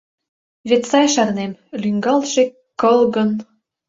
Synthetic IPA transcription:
βet̪sɑjʃɑrnemlyŋɡɑlʃe | kɤ̆lɣɤ̆n

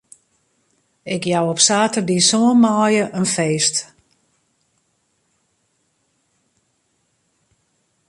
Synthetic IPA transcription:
ɪkjawɔpsaːtərdisoənmaːjəʔənfeːst

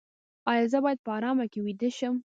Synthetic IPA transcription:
ɑjɑzəbɑjad̪̚pəɑɾɑmakewid̪əʃəm

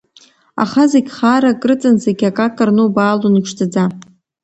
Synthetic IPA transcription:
a̰χazeɡʲχaːɾakʼrɨt͡sʼɨnzeɡʲakʼakʼɨrnubaːlunɨpʰʂtʰad͡za

